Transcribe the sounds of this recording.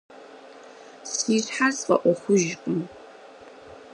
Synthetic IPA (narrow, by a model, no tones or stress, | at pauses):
siːsħasfʼɐ̰ʔʷɔχʷʊʒkʷʼʊm